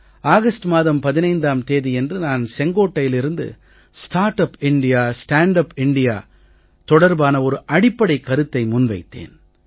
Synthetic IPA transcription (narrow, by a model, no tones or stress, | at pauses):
aːɣɐsʈmaːðɐmpɐðɪnɐɪnd̪aːmt̪eːðijɛndrɯnaːnsɛŋɡoːʈːɐjɪlɪɾɯnd̪ɯ̰ | sʈaːɾʈɐpɪɳɖɪjaːsʈaːɳɖɐpɪɳɖɪja̰ː | t̪ɔɽɐɾbaːnɐɔɾɯʔɐɽɪpːɐɽɐɪkːɐɾɯt̪ːɐɪmʊnʋɐɪt̪ːḛːn